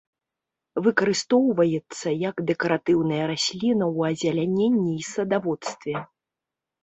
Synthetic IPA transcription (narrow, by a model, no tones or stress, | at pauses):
vɨkɐɾɨst̪ɔwvɐjɛt̪sːɐjɐkd̪ɛkɐɾat̪ɨwnɐjɐɾasʲlʲinɐwɐzʲalʲanʲenʲːiːsɐd̪avɔt̪st̪vʲɛ